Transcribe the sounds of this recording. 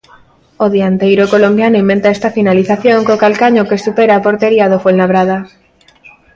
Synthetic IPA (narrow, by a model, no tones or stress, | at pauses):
oðiant̪ejɾokolombjanoimbent̪aest̪afinaliθaθjoŋkokalkaɲokesupeɾaːpoɾt̪eɾiaðofolnaβɾað̞a